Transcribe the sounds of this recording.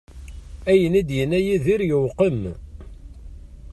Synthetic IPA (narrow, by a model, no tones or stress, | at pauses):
æjənæd̪jənæjiðiɾjəwqəm